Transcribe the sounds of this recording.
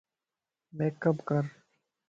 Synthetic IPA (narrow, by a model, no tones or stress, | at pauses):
meːkːəpkəɾ